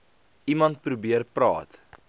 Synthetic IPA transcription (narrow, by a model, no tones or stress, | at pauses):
ʔimɐnt̚pɾubiərprɑ̰ːt